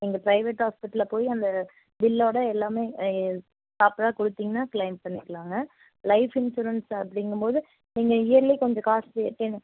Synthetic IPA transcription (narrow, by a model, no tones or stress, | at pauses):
niːŋɡɐpɾɐɪʋeːʈhaːspɪʈːɐlpoːjiɐnd̪ɐ | ʋɪlːoːɽɐɛlːaːmeː | saːpɾaːkɔɽɯt̪ːiːŋɡɐnaːklɐɪmpɐɳːɪkːɐɭaːŋɡɐ | lɐɪfɪnʃuːɾɐnsɐpːɐɽɪŋɡɯmpoːðɯ | niːŋɡɐɪjɐɾlikɔɲd͡ʒɔ̃kaːseːʈːeːnːɯ